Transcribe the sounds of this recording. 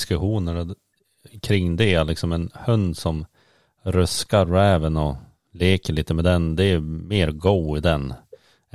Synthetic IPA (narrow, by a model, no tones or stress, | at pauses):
skɵɧuːnəɾ | kʰɾɪŋːd̪ɛalɪksɔmɛnhɵnd̪sɔm | ɾɵskaɾːɛːvənɔ | leːkəɭiːt̪əmɛd̪ɛnd̪ɛːmeːɾɡɔːɪd̪ɛn